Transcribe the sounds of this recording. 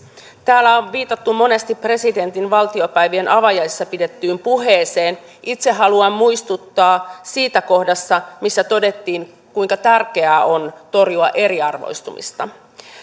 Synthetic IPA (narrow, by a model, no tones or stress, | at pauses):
t̪æːlːæoʋʋiːt̪ɑt̪ːumo̞ne̞st̪ipre̞side̞nt̪inʋɑlt̪io̞pæjʋie̞nʔɑʋɑjɑisːɑpidet̪ːyːmpuɦeːse̞ːn | ʔit̪seɦɑluɑmmujst̪ut̪ːɑːsiːt̪æko̞hdɑsːɑmisːæt̪o̞de̞t̪ːiːŋ | kuiŋkɑt̪ærke̞æo̞nt̪o̞rjuɑʔe̞ɾiɑrʋo̰jst̪umḭst̪ɑ